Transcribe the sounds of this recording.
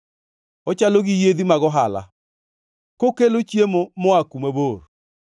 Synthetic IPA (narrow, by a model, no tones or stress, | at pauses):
ɔt͡ʃaloɣijeðimaɣɔɦala̰ | kokelot͡ʃjemomoakumɛβoːɾ